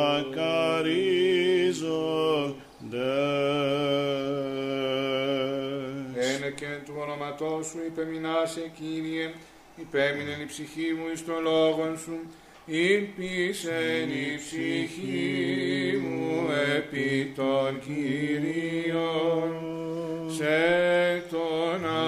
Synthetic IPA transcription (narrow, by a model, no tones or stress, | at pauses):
kɐɾi | zo | d̪e | eneceet̪uono̞mɐt̪o̞suipe̞minɐseciɾie | ipe̞minenipsiçimuist̪o̞nloɣo̞nsu | ipisenipsiçii | muepit̪onciɾiion | set̪onɐ